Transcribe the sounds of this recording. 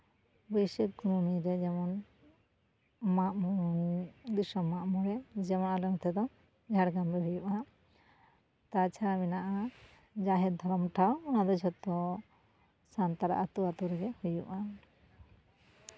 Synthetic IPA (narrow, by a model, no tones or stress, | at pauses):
bɔjsək̚kununiɾɛd͡ʒɛmɔn | maʔmu | d̪isɔmːaʔmuɾɛd͡ʒɛmɔnalɔnɔt̪ʰɛd̪ɔ | d͡ʒʱaɽɡamɾɛɦujuʔa | t̪at͡ʃʰaɾaminaʔa | d͡ʒaɦɛt̪̚d̪ʱɔɾɔmʈʰawːnad̪ɔd͡ʒɔt̪ːɔ | sant̪aɾa̰ʔat̪uat̪uɾɛɡɛhujuʔa